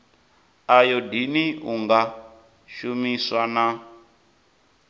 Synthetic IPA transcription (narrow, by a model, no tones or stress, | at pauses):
ajɔdiniuŋɡa | ʃumiswana